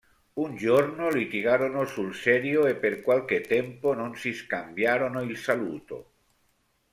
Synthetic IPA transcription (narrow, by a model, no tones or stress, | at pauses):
und͡ʒornolit̪iɡaːɾonosulsɛːɾjoepːerkwalk̟et̪ːɛmpononsiskambjaːɾonoilsalṵːt̪o̰